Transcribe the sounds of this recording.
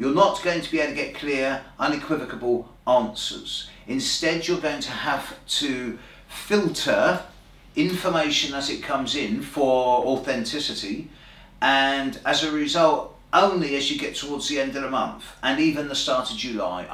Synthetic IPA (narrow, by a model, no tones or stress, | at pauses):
jə˞nəʔ̚ɡ̥oʊɪ̃ŋtʰəbieɪɾtʰɨɡɛʔ̚kʰl̥ɪəɹʔʌ̃nɨkʰw̥ɪvɨkəbəlˠ | ɑ̃ˑnsə̰˞z̥ɪ̃nstɛd͡ʒə˞ɡəʊɪ̃ŋtʰəaftʰɨ | fɪlˠtʰə˞ | ɪ̃ɱfəmeɪʃɨ̃nəzɪt̚kʰʌ̃mzɪ̃nfəɔθɛ̃ntʰɪsɨti | ʔə̃nəzəɹɪzʌlˠt | ʔə̃ʊ̃nliɨzjɨɡɛtʰəwɔɹdzðiɛ̃ndəvəmʌ̰̃nθə̃niːvə̃nðəstɑˑɹɾəvd͡ʒʉla̰ɪ